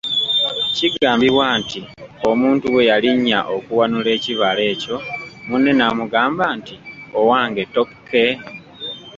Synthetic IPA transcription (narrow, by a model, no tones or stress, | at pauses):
ciɡaːmbiβwaːntio̞muːntuwe̞jaliɲːa̰ʔo̞kuwanule̞ːciβale̞ːco̞munːe̞namuɡaːmbaːntiowaːŋɡe̞to̞kkʰːe̞